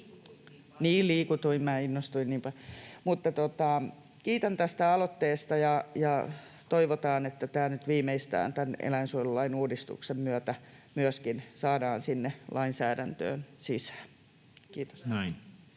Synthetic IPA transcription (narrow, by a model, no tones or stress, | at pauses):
niːlliːkut̪uimmæːinːost̪uinniːmpɑlmut̪ːɑt̪ot̪ɑ | kiːt̪ænt̪æst̪æɑlot̪ːeːst̪ɑjɑjɑ | t̪oiʋot̪ɑːnet̪ːæt̪æːnyt̪ʋiːmeist̪æ̰ːnt̪ænḛlæinsuolulːɑinuːdist̪ṵksemmyøt̪æ | myøskinsɑːdɑːnsinːelɑinsæːdænt̪ø̰ːnsisæ̥ː | kiːt̪o̥sin